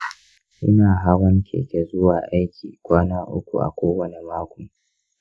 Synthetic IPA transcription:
ʔɪ˦naː˨ɦaː˦wɐ˦ŋkʲʰḛː˨kʲe˨zʊ˦waː˨ʔa˦jkʲiː˨kʷaː˦naː˦ʔʊ̰˦kʷṵ˨ʔa̰˨kʷoː˦wɐ˦ne˨maː˦kʷʊ˨m

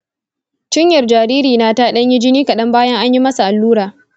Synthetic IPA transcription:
t͡ʃɪ˦ɲjɐ˨rd͡ʒaː˨ɾiː˦ɾiː˨naː˦taː˦ɗɐ˦ɲji˦d͡ʒɪ˦niː˦kɐ˨ɗɐ˦mbaː˦jɐ˦ŋʔa˦ɲji˦mɐ˦sa˨ʔa˨lːuː˦ɾaː˨

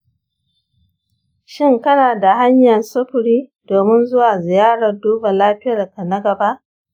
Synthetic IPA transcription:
ʃɪ˦ŋkɐ˦naː˨da˨ɦa˦ɲjɐ˨nsɐ˦ɸʊ˨ɽiː˦doː˨mɪ˦nzʊ˦waː˨zɪ˨jaː˦ɽɐ˨rduː˦ba˨laː˦ɸɪ˦jɐ˨rka˨nɐ˦ɡɐ˨ba˦ʔ

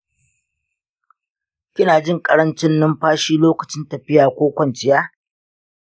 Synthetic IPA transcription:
kʲɪ˦naː˨d͡ʒɪ˦˨ŋkʼɐ˨ɾɐ˦nt͡ʃɪ˦nːɪ˦mɸaː˦ʃiː˦loː˦kɐ˨t͡ʃɪ˦ntɐ˨ɸɪ˦jaː˨kʷoː˦kʷɐ˦nt͡ʃɪ˨jaː˦

